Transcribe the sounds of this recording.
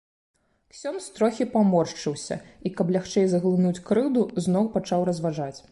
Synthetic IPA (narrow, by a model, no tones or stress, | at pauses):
ksʲɔnst̪ɾɔxʲipamɔrʂt͡ʂɨwsʲɐ̰ikɐplʲaxt͡ʂɛjzɐɣlˠɨnut͡sʲkɾɨd̪uznɔwpat͡ʂawɾɐzvaʐat͡sʲ